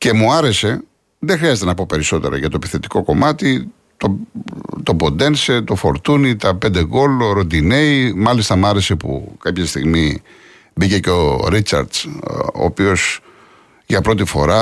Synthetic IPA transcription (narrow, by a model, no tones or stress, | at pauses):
ce̞muɐɾe̞se̞ | ðexɾiɐzet̪e̞nɐpo̞pe̞ɾiso̞t̪eɾɐ̰ʝɐt̪o̞epiθe̞t̪i̥ko̞ko̞mɐt̪i | t̪ot̪o̞bo̞nd̪e̞nse̞t̪o̞fo̞̰ɾt̪unit̪ɐpe̞nd̪e̞ɣo̞loɾo̞nd̪ine̞imɐlist̪ɐmuɐɾe̞se̞pṵkɐpçɐst̪iɣmi | bice̞ceo̞ɾit͡sɐ̰ɾd̪so̰ːpio̞s | ʝɐpɾo̞t̪ifo̞̰ɾɐ